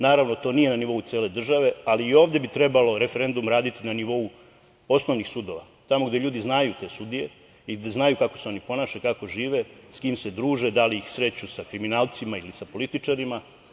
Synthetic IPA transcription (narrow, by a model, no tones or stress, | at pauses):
naːɾaʋnot̪o̞ːnije̞naniʋo̞ut̪sieːle̞d̪r̩ʒaʋe̞aliːo̞ːʋd̪e̞bit̪ɾe̞balo̞ɾe̞fe̞ɾe̞nd̪umɾaːd̪it̪inaniʋo̞u | o̞snoʋnixsud̪o̞ʋa̰ | t̪amoɡd̪e̞ʎuːd̪iznajut̪e̞ːsud̪ije̞ | iɡd̪eznajukakoseo̞nipo̞naːʃekako̞ʒiːʋe̞skiːmse̞d̪ɾuːʒed̪aliixsɾe̞t͡ɕusakɾiminaːlˠt̪simailisapo̞lit̪it͡ʂaɾima